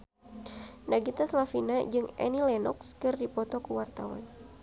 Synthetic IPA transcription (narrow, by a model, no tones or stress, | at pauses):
naɡit̪aslafinad͡ʒɨŋɛ̰nilɛnɔ̰kskɨrdipɔt̪ɔkuwart̪awa̰n